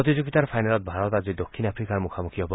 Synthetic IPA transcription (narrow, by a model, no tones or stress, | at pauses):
ɔt̪̬id͡ʒoɡit̪aɾpʰajnalɔt̪̚bʱaɾɔt̪ad͡ʒid̪okʰːinapʰɾikaɾmukʰamukʰiɔbɔ